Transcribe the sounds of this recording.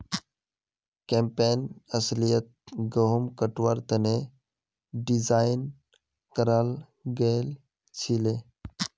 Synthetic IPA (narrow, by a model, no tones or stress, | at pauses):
kempeːnəslijət̪̚ɡəɦumkəʈʋaɾt̪əne | ɖizaːjɪn | kəɾal | ɡəl | t͡ʃʰile